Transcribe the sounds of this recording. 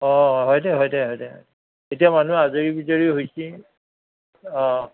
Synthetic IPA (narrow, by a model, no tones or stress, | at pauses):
ɔ̃ɦɔjdɛɦɔjdɛɦɔjdɛɦɔ̰jɛ | etiamanuazoɹibizoɹiɦojsi | ɔ̃